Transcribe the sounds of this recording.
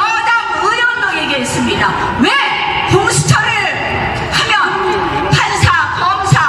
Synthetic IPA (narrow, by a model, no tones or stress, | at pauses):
ʌdamujʌŋmʌŋeɡeis͈ɯmɲida | we | poŋsʰu̥t͡ɕʰʌɾɯɭ | hamjʌ | pʰansʰakʌmsʰa